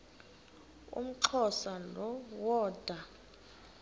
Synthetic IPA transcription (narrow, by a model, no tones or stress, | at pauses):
ṵm̩ǁʰɔsalɔwɔːd̥ʱwa